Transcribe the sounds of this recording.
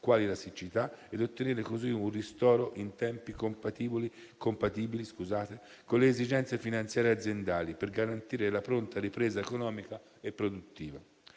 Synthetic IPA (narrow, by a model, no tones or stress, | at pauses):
kwaːlilasit͡ʃit̪aɛd̪ot̪ːeneːɾekoziunrist̪ɔːɾoʔint̪ɛmpikompat̪iːboli | kompat̪iːbiliskuzaːt̪e | konleːzid͡ʒɛnt̪sefinant̪sjaːɾead̪zjend̪aːliperɡaɾant̪iːɾelapɾont̪aɾipɾeːzaekonɔːmika | epːɾod̪ut̪ːiːva